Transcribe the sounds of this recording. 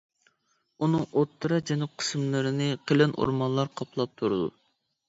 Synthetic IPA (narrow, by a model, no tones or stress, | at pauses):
unɨŋot̪ʰːɨɾɑd͡ʒɛnup̚qʰə̥smlˠɨɾɪnɪqʰelɪnʔo̰ɾmɑnlˠɑɾqʰɑpʰlˠɑp̚t̪ʰuɾɨd̪ṵ